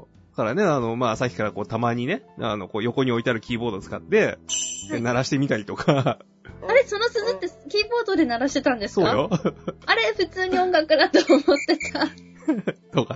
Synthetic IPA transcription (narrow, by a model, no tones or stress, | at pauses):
kaɾane̞ano̞maːsakʲi̥kaɾako̞ːt̪amaɲ̟ine̞ano̞ko̞ːjo̞ko̞ɲ̟io̞it̪eaɾɯ̟kʲiːbo̞ːd̪o̞t͡sɨ̥kat̪ːe̞ | naɾaɕi̥t̪emʲit̪aɾʲit̪o̞kʰa | aɾe̞so̞no̞sɨzɨt̪ːe̞kʲiːbo̞ːd̪o̞d̪e̞naɾaɕi̥t̪e̞t̪ãnd̪e̞sɨso̞ːajoaɾe̞ɸɯt͡sɨːɲ̟iõ̞ŋɡakːɯd̪at̪oːmo̞t̪ːe̞t̪a | t̪o̞ka